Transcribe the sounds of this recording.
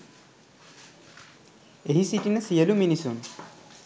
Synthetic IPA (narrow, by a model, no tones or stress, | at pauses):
eɦisiʈinəsijəluminisun